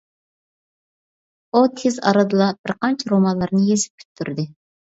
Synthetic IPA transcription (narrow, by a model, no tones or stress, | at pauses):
ut̪ʰɪzɑ̰ɾɨd̪ɨlˠɑb̥ɪɾqʰɑnt͡ʃʰɛɾomɑnlˠɑɾnɨjezɪp̚kʲʰy̥t̪ʰːyɾd̪ɪ